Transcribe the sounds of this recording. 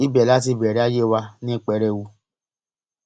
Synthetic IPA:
i˦bɛ˨la˦ti˧bɛ˨ɾɛ˨˦a˦je˦˨wa˧nĩ˦˨k͡pɛ˨˦ɾɛ˦wu˧

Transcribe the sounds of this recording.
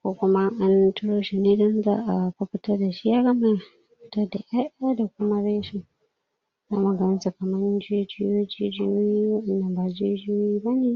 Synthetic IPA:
kʷo˦kʷʊ˦ma˦ʔa˦ntʊ˦ɽoː˦ʃi˨neː˦dɔ˦nza̰ː˦ʔa˨ɸɐ˦ɸɪ˦tɐ˦rda˨ʃi˦ja˦ɾa˦mɐ˦˨ | tɐ˦da˨ʔja˦ʔaː˦da˨kʷʊ˦ma˦ɾeː˦ʃɪ˨n | zaː˦mu˨ɡɐ˦nɐ˦nsa˨kɐ˨mɐ˦nd͡ʒe˦d͡ʒɪ˦joː˦d͡ʒiː˦d͡ʒɪ˦jo˦ji˦wɐ˦ɗɐ˨nːɐ˨mbaː˨d͡ʒiː˦d͡ʒɪ˦jo˦i˦bɐ˦neː˦

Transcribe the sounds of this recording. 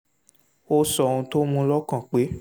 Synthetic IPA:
o˧sɔ˨ũ˧to˦mũ˧lɔ˦kã˨k͡pe˨˦

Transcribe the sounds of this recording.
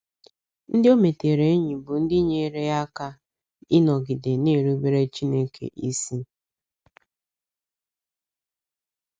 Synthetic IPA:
n̩˦dɪ˦o˦me˨te˨ɾe˨˦ɲi˨bʊ˨n̩˦dɪ˦ɲe˨ɾe˦ja˦ka˦ | ɪ˦nɔ˨ɡɪ˨dɪ˨ne˦˨ɾu˦be˦ɾe˦t͡ʃi˦ne˦kʰḛ˨ʔi˦si˦

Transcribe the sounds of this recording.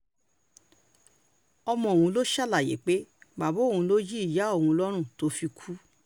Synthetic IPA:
ɔ˧mɔ̃˧˨o˨hũ˧lo˦ʃa˦˨la˨jḛ˨˦k͡pe˨˦ba˨bõ˨˦˨ũ˧lo˦d͡ʒi˦i˦˨ja˨˦o˦˨hũ˧lɔ˦ɾ̃ũ˦˨to˨˦fi˧kʰu˦

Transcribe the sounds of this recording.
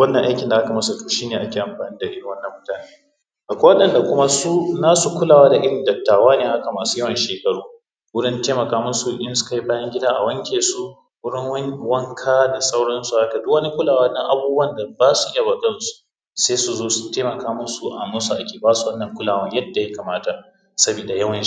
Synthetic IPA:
wɐ˦nːɐ˨ʔa˦kʲɪ˨nda˨ʔa˦ka˨mɐ˦sa˨toː˨ʃiː˦neː˨ʔa˦kʲeː˨ʔa˨mɸaː˨niː˦da˨ʔɪ˦ɽɪ˨wɐ˦nːɐ˨mːʊ˦taː˨neː˦ | ʔa˨kʷoː˦wɐ˦ɗɐ˨nda˨kʷʊ˦ma˦suː˦naː˦su˨kʷʊ˦laː˨waː˦da˨ʔɪ˦ɽɪ˨ndɐ˨tːaː˨waː˦neː˨ha˦ka˨maː˨su̥˦jɐ˦wɐ˨nʃeː˨kɐ˨ɽuː˦ | wʊ˦ɽɪ˦nteː˦mɐ˨kaː˦mʊ˦su˨ʔʔɪ˦nsʊ̥˦ka˨ji˦baː˦jɐ˦ŋɡʲɪ˦daː˦ʔa˨wɐ˦ŋkʲeː˨su˦ | wʊ˦ɽɪ˦ŋwwɐ˦ŋkʰaː˦da˨sa˦wɽɐ˦nsu˨ha˦ka˨dʊ˦kwɐ˦ni˦kʷʊ˦laː˨waː˦nːɐ˦ŋʔa˨buː˦bɐ˦˨nda˨baː˦su˨ʔɪ˦ja˨bɐ˨kʼɐ˦˨˦su̥˨ | seː˦su˨zoː˦sʊ̥˦teː˦mɐ˨kaː˦mʊ˦su˨ʔa̰˨mɐ˦su˨ʔa˨kʲeː˨baː˦su˨wɐ˦nːɐ˨ŋkʷʊ˦laː˨wɐ˦ɲjɐ˦dːa˨ja˦ka˨maː˦ta˨ | sɐ˦bi˨da˨jɐ˦wɐ˨n˦

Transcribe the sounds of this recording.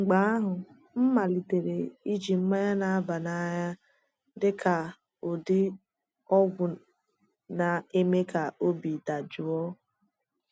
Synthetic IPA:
ŋ͡m̩˨ɡ͡ba˦a˦ɦʊ˨ | m̩˦ma˨li˨te˨ɾe˨i˦d͡ʒi˨m̩˦ma˦ɲa˦na˨a˦ba˨na˦ɲa˦ | dɪ˦ka˨ | o˨dɪ˦ | ɔ˦ɡʷʊ˨ | na˨e˦me˦ka˨o˦bi˨da˨d͡ʒʊ˨ɔ˦

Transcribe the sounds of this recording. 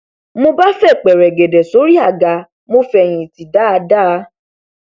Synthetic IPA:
mo˧ba˦fɛ˦˨k͡pɛ˨ɾɛ˨ɡe˨dɛ˨so˨˦ɾi˦a˦˨ɡa˨˧ | mo˧fɛ˨j̃ĩ˨ti˨da˨˦a˧da˦˨˧

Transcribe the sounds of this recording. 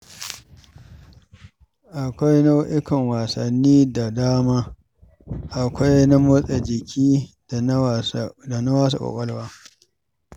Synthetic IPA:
ʔa˨kʷa˦jna˦wʔɪ˦kɐ˨ŋwa˨sɐ˨nːiː˦da˨daː˦maː˦ | ʔa˨kʷa˦jna˦mʊ˦sʼe˨d͡ʒɪ˨kʲʰiː˦ | da˨na˦waː˦s̬a̰˨kʷɔ̰˨kʷʼɐ˦lwaː˦

